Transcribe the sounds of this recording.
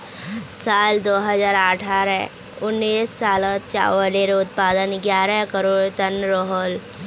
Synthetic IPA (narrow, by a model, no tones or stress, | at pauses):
saːld̪oːɦəzaːɾəʈʰaːɾɛ | ʊnːiːsːaːlət̪̚t͡ʃa̰ːʋəleɾʊt̪̚paːd̪ənɡjaːɾɛkəɾoːɽt̪ənɾoɦoːl